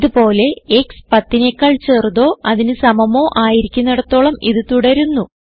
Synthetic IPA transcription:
iðupo̞ːle̞ekspɐt̪ːine̞kːaːɭt͡ɕe̞ːrðo̞ːɐðinɨsɐmɐmo̞ːʔaːjiɾikʲːunːɐɽɐt̪ːo̞ːɭɐmiðɨt̪uɽɐɾunːu

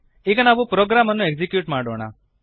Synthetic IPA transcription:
iɡɐnaːʋupɾoːɡɾaːmɐnːueɡd͡ʒikjuːʈmaːɽoːɳ̃a̰

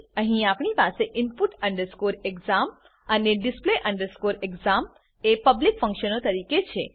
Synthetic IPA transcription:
ə̃ɦĩapɳipaseʔɪnpuʈəɳɖəɾskoɾeɡzam | əneɖɪspleʔəɳɖəɾskoɾeɡzam | epəblikfə̃ŋkʃənot̪əɾiket͡ʃʰe

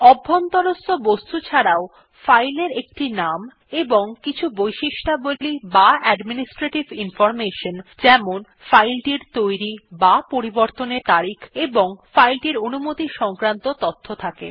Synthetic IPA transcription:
ɔbʱːont̪ɔɾost̪ʰobost̪ut͡ɕʰaɾao | fajleɾek̚ʈinam | eboŋkit͡ɕʰubojʃiʃʈabolibaɛɖminisʈɾeʈibinfɔɾmeʃond͡ʑɛmon | fajlʈiɾt̪ojɾibapoɾiboɾt̪oneɾt̪aɾikʰeboŋfajlʈiɾonumot̪iʃɔŋkɾant̪ot̪ɔt̪ʰːot̪ʰakḛ

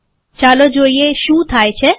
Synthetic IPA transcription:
t͡ʃalod͡ʒoieʃũt̪ʰajt͡ɕʰe

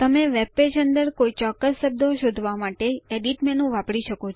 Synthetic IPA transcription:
t̪əmeʋep̚ped͡ʒənd̪əɾkoit͡ʃɔkːəsːəb̚d̪ʱoʃod̪ʱʋamaʈeeɖiʈmenũʋapɽiʃəkot͡ʃʰ

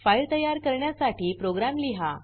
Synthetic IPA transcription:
fajlt̪əjaɾkəɾɳjasaʈiːpɾoɡɾamliɦa̰

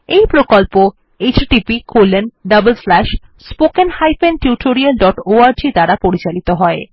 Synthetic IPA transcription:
ejpɾokolpo | et͡ɕʈipikoɾlːenɖɐbəlslɛʃspokenhajfenʈjuʈʰoɾialɖɔʈoaɾd͡ʑit̪aɾapoɾit͡ɕalit̪oɦɔe

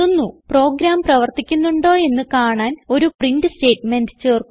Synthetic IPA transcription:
unːupro̞ːɡɾaːmprɐʋɐrt̪ikʲːunːuɳɖo̞ːe̞nːɨkaːɳaːno̞ɾuprindɨste̞ːʈːmendɨt͡ɕeːrk

